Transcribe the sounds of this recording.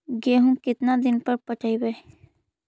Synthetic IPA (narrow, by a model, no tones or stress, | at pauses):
ɡeɦũkɪt̪nad̪ɪnpɐɾpət͡ʃaːibe